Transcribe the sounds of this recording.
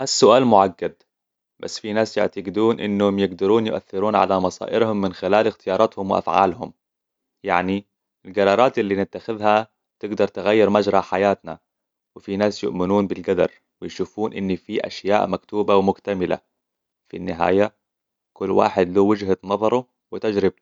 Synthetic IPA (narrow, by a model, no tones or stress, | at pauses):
ʔasːʊʔaːlmʊʕaɡːad̪̚ | ba̰sːfinaːsjɪʕt̪aɡɪd̪uːnʔɪ̰nːhʊmjɪɡd̪ɑɾuːnjʊʔa̰θːɪɾuːnʕa̰lamɑsɑ̰ːʔɪɾhʊmːɪnxɪlaːlɪxt̪ɪjɑːɾˤɑt̪hʊmwɪʔa̰fʕa̰ːlhʊm | jaʕni | ɪlɡɑɾˤɑːɾˤɑːt̪ʔɪlːinɪt̪ːaxɪðɦa | t̪ɪɡd̪ɑɾˤt̪ɪɣajːɪɾmad͡ʒɾˤɑħajaːt̪na̰ | wɪfinaːsjʊʔmɪnuːnbɪlɡad̪ɑ̰ɾˤ | wɪjʃuːfuːnʔɪnːifiʔa̰ʃja̰ːʔmakt̪uːbawmʊkt̪amɪla̰ | fḭnːɪɦa̰ːja | kʊlːwa̰ːħɪd̪luːwɪd͡ʒɦat̪nɑðˤɑɾˤu | wɪt̪ad͡ʒɾɪb̚